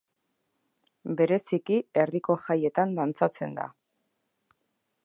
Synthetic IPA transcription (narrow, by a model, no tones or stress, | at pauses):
be̞ɾe̞sikie̞riko̞ʝaje̞t̪and̪ant͡sat͡se̞̰nd̪a̰